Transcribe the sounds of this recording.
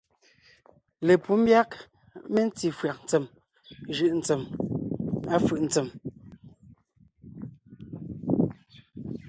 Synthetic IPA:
le˨pu˦m̩˦bja˦k | me˦n̩˦ti˨fɰa˨k̚n̩˨t͡se˨m | ʒɯ˦˨ʔn̩˨t͡se˨m | a˦fɯ˨ʔn̩˨t͡se˨m

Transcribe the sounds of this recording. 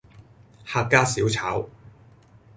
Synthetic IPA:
haː˧k̚kːaː˥siː˨˥wt͡sʰa̰ː˨˥w

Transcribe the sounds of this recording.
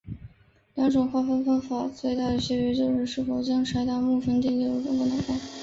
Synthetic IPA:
ljɑ˧˥ŋʈ͡ʂʊ˨˩ŋxwa˥˩fɑ˥nfɑ˥ŋfa˨˩˦t͡swe˥˧ɪt̪a˥˩d̪ə˩ɕɥɛ˥˩t͡ɕɛ˧˥t͡ɕjo˥˧ʊʂɻ̩˥˧ʂɻ̩˥˩fo˨˩ʊt͡ɕjɑ˥ŋʈ͡ʂʰa˧˥ɪt̪a˥˧mu˥˩ʈ͡ʂʰə˥ŋt̪i˥˧li˥˧u˥˩ʈ͡ʂʊ˧˨˥ŋko˥˩na˧˥˩fa˥˩˨

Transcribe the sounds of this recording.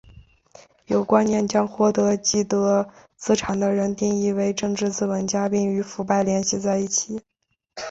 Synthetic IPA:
jo˨˩ʊkwa˥nnjɛ˥˩nt͡ɕjɑ˥ŋxwɔ˥˩t̪ɤ˧˥t͡ɕi˥˩t̪ɤ˧˥t͡sɹ̩˥ʈ͡ʂʰa˨˩nd̪ə˦ɻə˧˥nt̪i˥˧ŋi˥˧we˧˥ɪʈ͡ʂɤ˥˧ŋʈ͡ʂɻ̩˥˧t͡sɹ̩˥˩wə˧˥nt͡ɕja˥pi˥˩ŋy˧˥fu˧˥pa˥˩ɪljɛ˧˥nɕi˧˥t͡sa˥˧ɪi˥˩t͡ɕʰi˨˩˦

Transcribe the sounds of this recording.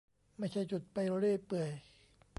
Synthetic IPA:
ma˥˩jt͡ɕʰa˥˩jt͡ɕu˨˩t̪̚pa˧jɾo˧ɾeː˥˩pɯ˨˩əj

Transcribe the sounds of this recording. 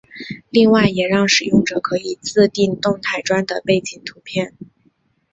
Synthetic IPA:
li˥˧ŋwa˥˩ɪjɛ˨˩ɻɑ˥˩ŋʂɻ̩˨˩jʊ˥˩ŋʈ͡ʂɤ˨˩kʰɤ˧˥i˨˩t͡sɹ̩˥˧t̪i˥˧nt̪ʊ˥˧ŋt̪ʰa˥˩ɪʈ͡ʂwa˥nd̪ə˨pe˥˩ɪt͡ɕi˨˩ŋt̪ʰu˧˥pʰjɛ˥˩n

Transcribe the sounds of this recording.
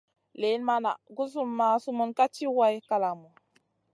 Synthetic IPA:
le˨˦nma˦na̰˨ɡu˦s̬u˦mːa˨su˦mu˨nka˦t͡ʃi˦wa˦jka˦la˨mu˨

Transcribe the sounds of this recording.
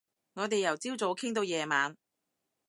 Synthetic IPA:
ŋɔː˨˧t̪e˨jɐ˨˩wt͡siː˥wt͡so˨˥wkʰɪ˥ŋt̪̬o˨˧wjɛː˨˧maː˨˧n

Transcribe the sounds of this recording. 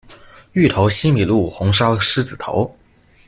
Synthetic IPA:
y˥˩t̪ʰo˧˥ʊɕi˥nmi˨˩lu˥˩xʊ˧˥ŋʂɑ˥ʊʂɻ̩˥t͡sɹ̩˨˩t̪ʰo̰˧˥ʊ

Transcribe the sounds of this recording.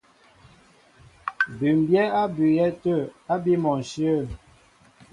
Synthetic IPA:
bʉ˨m˨bjɛ˦a˦by˨jɛ˦tə˦˨a˦bi˦mɔ˨n̩˨ʃjə˦˨

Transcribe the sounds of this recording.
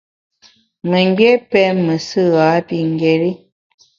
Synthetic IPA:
mə˨ŋ˦ɡɛ˦pɛ˦mə˨sɨ˦˨ɣa˨˦pi˦˨ŋ˨ɡe˨ɾi˦

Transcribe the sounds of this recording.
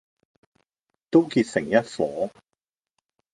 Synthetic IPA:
t̪o˥wkiː˧t̚sɪ˨˩ŋjɐ˥t̚fɔː˨˥

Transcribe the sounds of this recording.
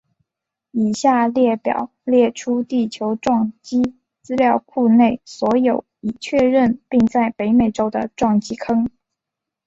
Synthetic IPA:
i˨˩ɕja˥˧ljɛ˥˩pjɑ̰˨˩˦ʊljɛ˥˩ʈ͡ʂʰu˥t̪i˥˩t͡ɕʰjo˧˥ʊʈ͡ʂwɑ˥˩ŋt͡ɕi˥ | t͡sɹ̩˥ljɑ˥˧ʊkʰu˥˧ne˥˩ɪswɔ˧˥jo˨˩ʊi˨˩t͡ɕʰɥɛ˥˧ɻə˥˧npi˥˧ŋt͡sa˥˩ɪpe˧˥ɪme˨˩ɪʈ͡ʂo˥ʊd̪ə̰˨ʈ͡ʂwɑ˥˩ŋt͡ɕi˥kʰɤ˥ŋ

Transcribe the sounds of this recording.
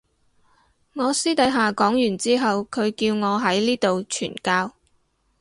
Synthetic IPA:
ŋɔː˨˧siː˥t̪ɐ˨˥jɦaː˨kɔː˨˥ŋjyː˨˩nt͡siː˥ɦɐ˨wkʰɵ˨˧ɥkiː˧wŋɔː˨˧ɦɐ˨˥jliː˥t̪o˨wt͡ʃʰy̰ː˨˩nkaː˧w

